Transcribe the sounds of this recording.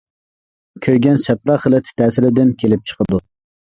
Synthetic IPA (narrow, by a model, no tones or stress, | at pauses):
kʲʰøjɡʲɛnsɛpɾɑχəlˠɪt̪ʰɪ̥t̪ʰæːsɪɾɪd̪ɪnkʲʰelɪp̚t͡ʃʰə̥qʰəd̪u